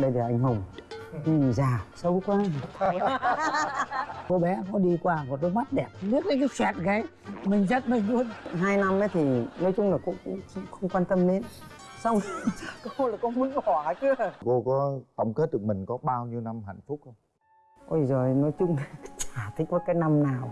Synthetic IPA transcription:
ɗə˧jlaː˨˩ʔa˧jŋ̟ɦə˨˩wŋ͡mɲi˨˩mzaː˨˩sə˨˦wkwaː˧ | ko˧ɓɛ˨˦kɔ˨˦ɗi˧kwaː˧kɔ˨˩t̚lʊ˦k̚ma˦˥t̚ɗɛ˨˩p̚ɓi˦˥ət̚kaː˨˦kaː˨˦t͡ɕwɛ˨˩t̚ɣa˨˦j | mï˨˩ŋ̟zə˦˥t̚mə˨˩jɗu˨˧˦ənɦaː˧jna˧mə˨˦jt̪ʰi˨˩nɔ˨˦jt͡ɕʊ˧ŋ͡mlaː˨˩kʊ̰˧˥ŋ͡mʊ̰˧˥ŋ͡mŋ͡mxə˧wŋ͡mkwaː˧nt̪ə˧mle˧n | sa˧wŋ͡mko˧˦laː˨˩kɔ˨˦mu˨˦ənkɔ˨˧˩t͡ɕɨ˨˧˦əko˧kɔ˨˦t̪ə˧wŋ͡mke˦˥t̚ɗɨ˨˩ək̚mï˨˩ŋ̟kɔ˨˦ɓaː˧wɲi˧wna˧mɦa̰˧˨jŋ̟fʊ˦˥k͡p̚hə˧wŋ͡m | ʔo˧˩jzo˨˩jnɔ˨˦jt͡ɕʊ˧ŋ͡mt͡ɕaː˧˩t̪ʰi˨˦˥k̚vəː˨˦jkaː˨˦jna˧mnaː˨˩w

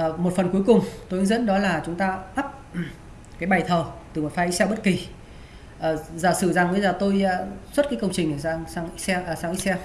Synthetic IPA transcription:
mo˨˩fə˨˩nku˨˦əjkʊ˨˩ŋ͡mt̪o˧jʔɨ˧˦zə̰˧˥nɗɔ˨˦laː˨˩t͡ɕʊ˨˦ŋ͡mt̪aː˧ʔa˦˥p̚ | kaː˨˦jɓa˨˩jt̪ʰəː˨˩t̪ɨ˨˩mo˨˩t̚faː˨˦ʔi˦˥sɛ˧wɓə˦˥t̚ki˨˩ | ʔəː˨˩zaː˨˧˩sɨ˧˩za˨˩ŋvə˨˦zaː˨˩t̪o˧jswə˦˥t̚kaː˨˦jkə˧wŋ͡mt͡ɕï˨˩ŋ̟ʔəː˨˩aː˧ŋsaː˧ŋʔi˦˥sɛ˧ʔːsaː˧ŋʔi˦˥sɛ˧w

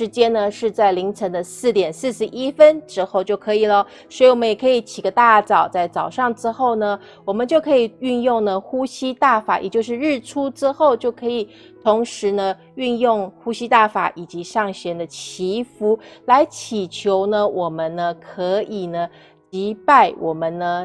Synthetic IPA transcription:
ʂɻ̩˧˥t͡ɕjɛ˥nə˧ʂɻ̩˥˧t͡sa˥˩ɪli˧˥ŋt͡sʰə˧˥ŋd̪ə˧sɹ̩˥˩t̪jɛ˨˩nsɹ̩˥˧ʂɻ̩˥˩ʔi˥fə˥nʈ͡ʂɻ̩˥xo˥˧ʊt͡ɕjo˥˩ʊkʰɤ˧˥i˨˩lə˦ | swɔ˧˥i˧wɔ˨˩mə˦njɛ˨˩kʰɤ˧˥i˨˩t͡ɕʰi˨˩ɡə˦t̪a˥˩t͡sɑ˨˩ʊt͡sa˥˩ɪt͡sɑ˨˩ʊʂɑ˥˩ŋʈ͡ʂɻ̩˥xo˥˩ʊnə˩ | wɔ˨˩mə˦nt͡ɕjo˥˩ʊkʰɤ˧˥i˨˩y˥˧njʊ˥˩ŋnə˨xu˥ɕi˥t̪a˥˩fa̰˨˩jɛ̰˨˩t͡ɕjo˥˧ʊʂ̬ɻ̩˥˧ɻɻ̩˥˩ʈ͡ʂʰu˥ʈ͡ʂɻ̩˥xo˥˧ʊt͡ɕjo˥˩ʊkʰɤ˧˥i˨˩ | t̪ʰʊ˧˥ŋʂɻ̩˧˥nə˧ | y˥˧njʊ˥˩ŋxu˥ɕi˥t̪a˥˩fa̰˨˩ʔi˨˩t͡ɕi˧˥ʂɑ˥˩ŋɕɛ˧˥nd̪ə˧t͡ɕʰi˧˥fu˧˥la˧˥ɪt͡ɕʰi˨˩t͡ɕʰjo˧˥ʊnə˧wʔɔ˨˩mə˦nnə˧kʰɤ˧˥i˨˩nə˦ | t͡ɕi˧˥pa˥˩ɪwʔɔ˨˩mə˦nnə˧

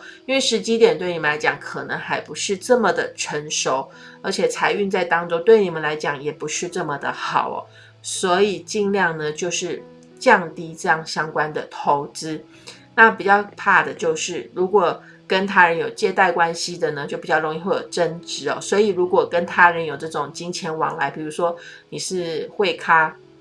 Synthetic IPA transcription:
i˥nwe˥˩ɪʂɻ̩˧˥t͡ɕi˥t̪jɛ˨˩nt̪we˥˩ɪni˨˩mə˦nla˧˥ɪt͡ɕjɑ̰˨˩ŋkʰɤ˨˩nə˧˦ŋxa˧˥ɪpu˧˥ʂɻ̩˥˧ʈ͡ʂɤ˥˩mə˩d̪ə̰˩ʈ͡ʂʰə˧˥nʂo˨˩˦ʊə˞˧˥t͡ɕʰjɛ˨˩t͡sʰa˧˥ɪy˥˧nt͡sa˥˩ɪt̪ɑ˥ŋʈ͡ʂo˥ŋt̪we˥˩ɪni˨˩mə˦nla˧˥ɪt͡ɕjɑ˨˩˦ŋjɛ˨˩pu˧˥ʂɻ̩˥˧ʈ͡ʂə˥˩mə˨d̪ə̰˩xɑ̰˨˩ʊɔ̰˨˦ | swɔ˧˥i˨˩t͡ɕi˥˧ŋljɑ˥˩ŋnə˨t͡ɕjo˥˧ʊʂɻ̩˥˩ | t͡ɕjɑ˥˧ŋt̪i˥ʈ͡ʂɤ˥˧jɑ˥˩ŋɕjɑ˥ŋkwa˦nd̪ə˨t̪ʰo˧˥ʊt͡sɹ̩˥ | na˥˩pi˨˩t͡ɕjɑ˥˧ʊpʰa˥˩d̪ə˩t͡ɕjo˥˧ʊʂɻ̩˥˩ɻu˧˥kwɔ˨˩ | kə˦nt̪ʰa˥ɻə˧˦njo˨˩ʊt͡ɕjɛ˥˧t̪a˥˩ɪkwa˦nɕi˥d̪ə˨nə˦t͡ɕjo˥˩ʊpi˨˩t͡ɕjɑ˥˩o˧˥ŋi˥˧xwe˥˩jo̰˨˩ʊʈ͡ʂə˥nʈ͡ʂɻ̩˧˥ɔ̰˨swɔ˧˥i˨˩ɻu˧˥kwɔ˨˩kə˦˥nt̪ʰa˥ɻə˧˥njo˨˩ʊʈ͡ʂɤ˥˩ʈ͡ʂʊ˨˩ŋt͡ɕi˥ŋt͡ɕʰjɛ˧˥nwɑ̰˧˥ŋla˧˥ɪpi˨˩ɻu˧˥ʂwɔ˥ni˨˩ʂɻ̩˥˧xwe˥˩ɪkʰa˥

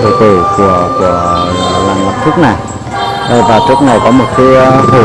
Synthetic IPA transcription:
t̪ʰɨ˧˩t̪ɨ˧˩kɨ˧˩əkɨ˧˩ə˨laː˨˩mma˨˩t̚t̪ʰɨ˦˥k̚na˨˩j | ʔə˧˩vaː˨˩t͡ɕɨ˦˥ək̚na˨˩jkɔ˨˦mo˨˩t̚ki˨˦˧hu˨˧˩

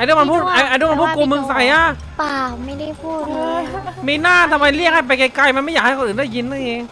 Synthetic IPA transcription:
ʔa˧duː˧˥˩ma˧npʰuː˥˩t̪̚ʔa˧jʔa˧duː˧˥˩ma˧pʰuː˥˩ku˧mɯ˧ŋsa˨˩jʔa˧˩ | paː˨˩ma˥˩jda˥˩jpʰuː˥˩t̪̚ːmiː˧˩naː˥˩t̪ʰa˧mːa˧jli˥˩ək̚ha˥˩jp̬a˧jka˧jka˧jma˧nma˥˩jaː˨˩k̚a˥˩kʰːʔɯː˨˩ndaː˥˩jːi˧nːɯ˥˩˨ʔeː˧ŋ

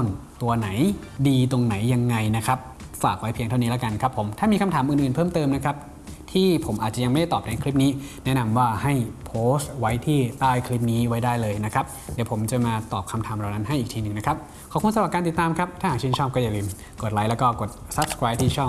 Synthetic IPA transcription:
ŋt̪u˧ɐna˩˦j | diː˧t̪o˧ŋna˩˦jːa˧ŋːa˧jna˦˥kʰa˦˥p̚ | faː˨˩k̚wa˦˥jpʰi˧ŋʰa˥˩ni˦˥lɛa˧˥ka˧nkʰa˦˥pʰːo˩˦mt̪ʰaː˥˩miː˧kʰa˧mt̪ʰaː˩˦mʔɯː˨˩nʔɯː˨˩npʰɤː˥˩mt̪ɤː˧mna˦˥kʰa˦˥p̚ | t̪ʰiː˥˩pʰo˩˦mʔaː˨˩t̪̚t͡ɕa˨˩ja˧ma˥˩da˥˩t̪ɔː˨˩p̚a˨˦kʰli˦˥p̚niː˦˥nɛ˦˥ʔna˧mwaː˥˩ha˥˩jpʰoː˦˥sst̪̚wa˦˥jt̪ʰiː˥˩t̪aː˥˩jkʰli˦˥p̚niː˦˥wa˦˥jdaː˥˩jlɤː˧jna˦˥kʰa˦˥p̚diː˨˦wpʰo˩˦mt͡ɕa˨˩maː˧t̪ɔː˨˩p̚kʰa˧mt̪ʰaː˩˦mɾa˨˩wna˦˥nɦa˥˩jʔiː˨˩t̪ʰiː˧nɯ˨ŋna˦˥kʰa˦˥p̚ | kʰɔː˨˦kʰu˧nsa˧ɾa˨˩kaː˧nt̪i˨˩t̪ːaː˧mkʰa˦˥p̚t̪ʰaː˥˩aː˨˩kt͡ɕʰi˥˩nt͡ɕʰɔː˥˩p̚kɔː˥˩jaː˨˧˩lɯː˧m | ko˨˩t̪̚la˦˥jlɛ˦˥kɔː˥˩ko˨˩t̪̚sa˦˥p̚skʰɾaː˦˥jp̚t̪ʰiː˥˩t͡ɕʰɔː˥˩

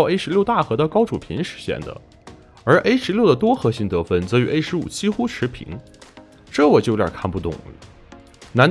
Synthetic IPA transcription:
e˥ɪʂɻ̩˧˥ljo˥˧ʊt̪a˥˩xɤ˧˥d̪ə˧kɑ˥ʊʈ͡ʂu˨˩pʰḭ˧˥nʂɻ̩˧˥ɕjɛ̰˥˩nd̪ə̰˩ | ə˞˧˥ʔe˥ɪʂɻ̩˧˥ljo˥˩ʊd̪ə˩t̪wɔ˥xɤ˧˥ɕi˥˩ŋt̪ɤ˧˥fə˥˩nt͡s̩˧˥y˧˥ʔe˥ɪʂɻ̩˧˥ṵ˨˩t͡ɕi˥xu˥ʈ͡ʂʰɻ̩˧˥pʰḭ˧˥ŋ | ʈ͡ʂɤ˥˩wɔ˨˩t͡ɕo˥˩˧jɑ̰˨˩kʰa˥˧npu˥˩t̪ʊ̰˨˩ŋ | na˧˥n

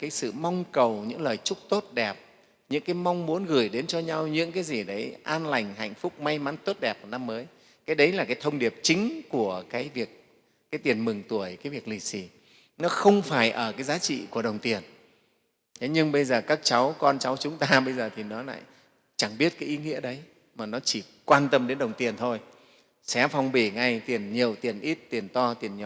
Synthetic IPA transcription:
kaː˨˦jsɨ̰˧˨ma˧wŋ͡mkə˨˩wɲɨ̰˧˥ŋləː˨˩jt͡ɕʊ˦˥k͡p̚t̪o˦˥t̚ɗɛ˨˩p̚ | ɲɨ̰˧˥ŋkaː˨˦jma˧wŋ͡mmu˨˦ənɣɨ˧˩jɗe˨˦nt͡ɕɔ˧ɲa˧wɲɨ̰˧˥ŋkaː˨˦jzi˨˩ɗə˨˦jʔaː˧nla˨˩jŋ̟ɦa̰˧˨jŋ̟fʊ˦˥k͡p̚ma˧jma˨˦nt̪o˦˥t̚ɗɛ˨˩p̚na˧mːəː˨˦j | kaː˨˦jɗə˨˦jlaː˨˩kaː˨˦jt̪ʰə˧wŋ͡mɗi˨˩əp̚t͡ɕï˨˦ŋ̟ku˧˩əkaː˨˦jvi˨˩ək̚ | kaː˨˦jt̪i˨˩ənmɨ˨˩ŋt̪u˧˩əjkaː˨˦jvi˨˩ək̚li˨˩si˧˩ | nɔ˨˦xə˧wŋ͡mfaː˧˩jʔəː˧˩kaː˨˦jzaː˨˦t͡ɕḭ˧˨ku˧˩ə˩ɗə˨˩wŋ͡mt̪i˨˩ən˨˦ | ɲɨ˧ŋɓə˧jzəː˨˩kaː˦˥k̚t͡ɕa˨˦wkɔ˧nt͡ɕa˨˦wt͡ɕʊ˨˦ŋ͡mt̪aː˧ɓə˧jzəː˨˩t̪ʰi˨˩nɔ˨˦la̰ː˧˨j | t͡ɕa˧˩ŋɓi˦˥ət̚kaː˨˦jʔi˨˦ŋḭ˧˥əɗə˨˦j | maː˨˩nɔ˨˦t͡ɕi˧˩ | kwaː˧nt̪ə˧mɗe˨˦nɗə˨˩wŋ͡mt̪i˨˩ənt̪ʰo˧j | sɛ̰˧˥fa˧wŋ͡mɓi˧˩ŋa˨˧˩jt̪i˨˩ənɲi˨˩əwt̪i˨˩ənʔi˦˥t̚t̪i˨˩ənt̪ɔ˧t̪i˨˩ənɲɔ˧˩

